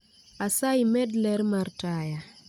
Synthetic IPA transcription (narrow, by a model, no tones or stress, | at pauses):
asaimɛdlɛɾmartaja